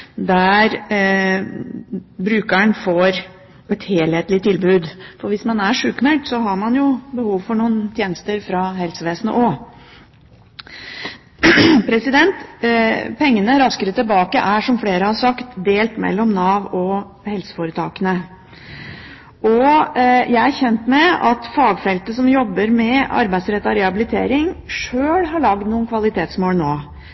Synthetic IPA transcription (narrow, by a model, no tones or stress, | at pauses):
d̪æɾ | bɾʉːkəɳfɔɾ | ɛt̪heːlheːt̪lɪt̪ʰɪlbʉːd̪fɔɾʋɪsmɑnæʂʉːkmɛlt̪sɔɦɑɾmɑnjʊbəhuːʋfɔɳuːənt̪ʰjeːnəst̪əɾfɾɑɦɛlsəʋeːsnə̰ʔɔ | pʰɾɛsɪd̪ɛnt̪ | pʰɛŋːənəɾɑskəɾət̪ʰɪlbɑːkə̰ʔæʂɔmfleːɾəhɑʂɑkt̪d̪eːlt̪mɛ̰lːɔmnɑːʋɔ | hɛlsə̥foɾət̪ʰɑːkənə | ʔɔ | jʔæɪæɾçɛnt̪mɛɑt̪fɑːɡfɛlt̪əsɔmjɔbːəɾmɛɑ̰ɾbæɪd̪sɾɛt̪ːɑɾɛhɑbɪlɪt̪ʰḛːɾɪŋʂøːlhɑɭɑɡd̪nuːənkʰʋɑlɪt̪ʰeːt̪smoːlnoː